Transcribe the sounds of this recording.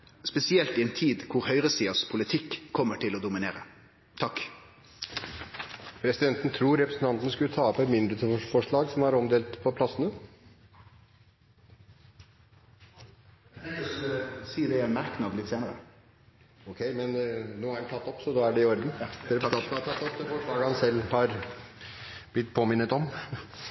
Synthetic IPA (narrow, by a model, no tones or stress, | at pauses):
spɛsɪɛlt̪iɛnt̪ʰiːd̪kʰʊɾhœʏʁəsiːɑspʰʊlɪt̪ʰɪkʰːɔmːəʈʰɪloːd̪ʊmɪnḛːɾə̰ | t̪ʰɑk | pʰɾɛsɪd̪ɛnt̪nət̪ʰɾuːɾɛpɾəsn̩t̪ʰɑnt̪ənəskʉlət̪ʰɑːpəmʏnd̪ɾəfɔʂɭɑːɡsɔmhɑɾɔmd̪eːlt̪pʰɔpʰlɑsənə | siːəd̪ɛmæɾknɑd̪lɪt̪ːseːnəə̰ | ɔkʰeɪmɛnnuːæɾnt̪ʰɑt̪ːɔpːsɔd̪oːæɖɛɪɔɾd̪n̩ɾɛpɾt̪ʰɑt̪ːɔpd̪ɛfɔʂɭɑːɡəhɑnsɛlːhɑɾ | b̥lɪt̪ːpʰoːmɪnːət̪ɔm